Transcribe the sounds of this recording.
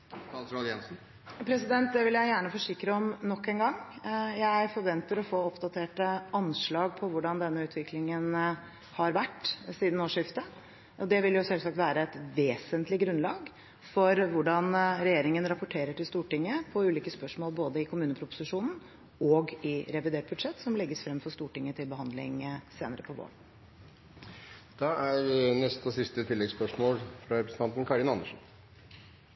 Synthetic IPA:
ɑlsɾɑljɛ̰nsn̩ | pʰɾɛsɪd̪ɛnt̪̚d̪ɛʋɪljæɪjæːɳəfɔʂɪkːɾəɔmnɔkːɛnɡɑŋːjææɪfɔɾʋɛnt̪əɾɔfoːɔpd̪ɑt̪ʰeːʈəʔɑnʂɭɑːɡpʰɔʋʊɖɑnd̪ɛnːəʉːt̪ʋɪkʰlɪŋən | hɑɾʋæʈːsiːd̪n̩oːʂɪft̪ə | ʔɔd̪ɛʋɪljʊsɛlsɑk̚t̪ʋæːɾəɛt̪ʋeːsənt̪lɪɡɾʉnlɑːɡ | fɔɾʋʊɖɑnɾɛjeːɾɪŋənɾɑpʊʈʰeːɾəʈɪlst̪uːʈɪŋːəpʰɔʉːliːkəspœʂmoːlboːd̪əɪkʰʊmʉːnəpʰɾʊpʊ̥sɪʂuːnn̩ | ɔɡɪɾɛʋɪd̪eːʈ̚bʉd̪ʂɛt̪ːsɔmlɛɡːəsfɾɛmfɔst̪uːʈɪŋːət̪ʰɪlbəɦɑnd̪lɪ̰ŋseːnəɾəpʰɔʋo̰ːɾ | d̪̥ɑːæɾnɛst̪ɔsɪst̪ət̪ʰɪlːɛɡspœʂmoːlfɾɑɾɛpɾəsn̩t̪ɑnt̪n̩kʰɑɾɪnɑnːəʂn̩

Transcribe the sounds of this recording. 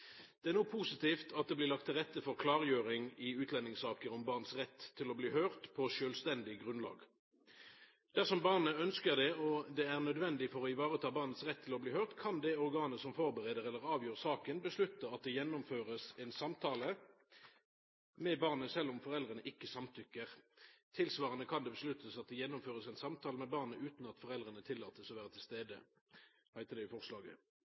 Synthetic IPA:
d̪̥ɛæʁnuːpʰuːsɪt̪iːft̪ʰɑt̪̚d̪ɛːblɪːʁlɑkt̪ʰːɪlʁɛt̪ːəfɔʁkʰlɑːʁjøːʁɪŋɪʉːt̪ʰlɛnːɪŋsɑːkəʁɔmbɑʁnsʁɛt̪ʰːɪlɔbliːhøːʁt̪pʰɔʃøːlst̪ɛnd̪ɪɡʁʉnlɑ̰ːɡ | d̪̥æʁsɔmbɑʁnəœnskəʁd̪ɛɔd̪ɛæʁnœd̪ʋɛnd̪ɪfɔʁɔɪʋɑːʁət̪ʰɑːbɑʁnət̪sʁɛt̪ʰːɪlɔbliːhøːʁt̪kʰɑnd̪ɛɔʁɡɑːnəsɔmfɔʁbəʁeːd̪əʁɛlːəʁɑːʋjøːʁsɑːkənbəslʉt̪ːəɑt̪̚d̪ɛjɛnːʊmføːʁəsɛnsɑmt̪ʰɑːlə | mɛbɑʁnəsɛlːʊmfɔʁɛld̪ʁənəʔɪkːəsɑmt̪ʰʏkːəʁt̪ʰɪlsʋɑːʁənəkʰɑnd̪ɛbəslʉt̪ʰːəsɑt̪̚d̪ɛjɛnːʊmføːʁəsæɪnsɑmt̪ʰɑːləmɛbɑʁnəʉːt̪nɑt̪fɔʁɛld̪ʁənət̪ʰɪlːɑːt̪əsɔʋæːʁət̪ʰɪlst̪eːd̪ə̰ | hæɪt̪əd̪ɛɪfɔʁslɑːɡə̰

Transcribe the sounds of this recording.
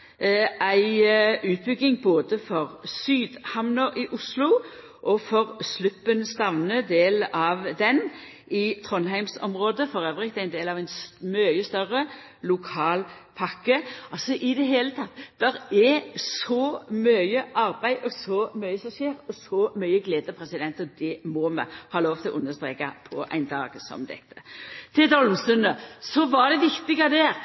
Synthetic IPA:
æɪʔʉːt̪̚bʏɡːɪŋboːd̪əfɔʁsyːd̪hɑmnɔʔɪʔʊslʊ | ʔɔfɔʁslʉpːənst̪ɑʋnəd̪eːlɑʋd̪ɛn | ɪt̪ʰʁɔnɦæɪmsɔ̰mʁoːd̪əfɔʁøːʋʁɪkt̪æɪnd̪eːlɑʋæɪnsmœʏəst̪œʁə | lʊkʰɑːlpʰɑkːəɑlsɔʔɪd̪ɛɦeːlət̪ʰɑt̪ːd̪̥ɛɾɛsɔmœʏəʔɑɾbæɪʔɔsɔmœʏəsɔmʃeːɾɔsɔmœʏəɡleːd̪əpʰɾɛsɪd̪ɛnt̪ɔd̪ɛmɔmə̰hɑːloːʋt̪ʰɪlɔʔʉnːəst̪ɾeːkɑ̰pʰɔʔæ̰ɪnd̪ɑ̰ːɡsɔ̰md̪ɛ̰t̪ʰːə̥t̪ʰɪld̪ɔlmst̪ʉnəsɔʋɑd̪ɛʋɪkt̪ɪɡɑd̪ɛːɾ

